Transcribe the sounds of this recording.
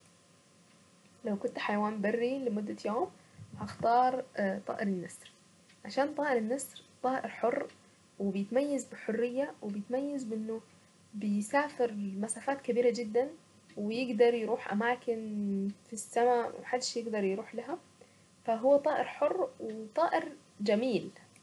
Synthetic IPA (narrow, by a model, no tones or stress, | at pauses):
lawkʊnt̪ħajwaːmbarːilɪmʊd̪ːajoːm | haxt̪ɑːɾˤt̪ˤɑ̰ːʔɪɾɪnːasˤɾ | ʕaʃaːnt̪ˤɑːʔɪɾɪnːasɾt̪ˤɑːʔɪɾħʊrˤː | wɪbɪjɪt̪majːazbɪħʊrːɪjːawɪbjɪt̪majːazbʔɪnːʊ | bɪjsaːfɪɾmasaːfaːt̪kabiːɾad͡ʒɪd̪ːan | wɪjɪɡd̪ɑɾˤjɾuːħʔa̰maːkɪnfisːamawɪħad̪ːʃjɪɡd̪ɑɾˤjɾuːħlaɦa | faɦʊwːat̪ˤɑːʔɪɾħʊrːwɪt̪ˤɑːʔɪɾ | d͡ʒamiːl